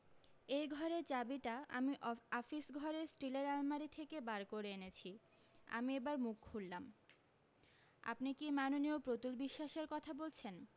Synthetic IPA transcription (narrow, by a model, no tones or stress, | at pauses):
ejɡʱɔɾeɾt͡ɕabiʈaa̰miʔɔfisɡʱɔɾesʈileɾalmaɾit̪ʰekebaɾkoɾeenet͡ɕʰi | a̰miebaɾmukʰulːam | a̰pnikimanoniopɾot̪ulbiʃːaʃeɾkɔt̪ʰabolt͡ɕʰen